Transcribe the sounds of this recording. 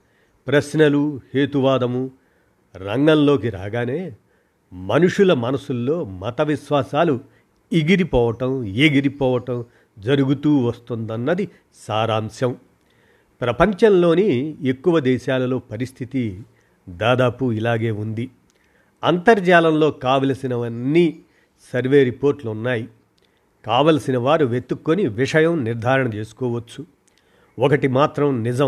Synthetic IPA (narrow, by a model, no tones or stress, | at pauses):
pɾɐsnɐluhe̞ːt̪uʋaːd̪ɐmu | ɾɐŋɡɐnlo̞ːkiɾa̰ːɡaːne̞ː | mɐnuʂulɐmɐnɐsulːo̞ːmɐt̪ɐʋiʃʋaːsaːlu | iɡiɾipɔːʋɐʈɐmeɡiɾipɔːʋɐʈɐm | d͡ʒɐɾuɡut̪uːʋɐst̪und̪ɐnːɐd̪i | saːɾaːmsjɐm | pɾɐpɐɲt͡ʃɐnlo̞ːniekːuʋɐd̪ɛːʃaːlɐlo̞ːpɐɾist̪ʰit̪i | d̪aːd̪aːpuilaːɡe̞ːund̪i | ɐnt̪ɐɾd͡ʒaːlɐmlo̞ːkaːʋɐlɐsinɐʋɐnːiː | sɐɾʋe̞ːɾipoːɾʈluunːaːji | kaːʋɐlsinɐʋaːɾuʋet̪ːukːoniʋiʂɐjɐmniɾd̪ʱaːɾɐɳɐt͡ʃe̞ːsu̥kɔːʋɐt͡ʃːu | ɔkɐʈimaːt̪ɾɐmnid͡ʒɐm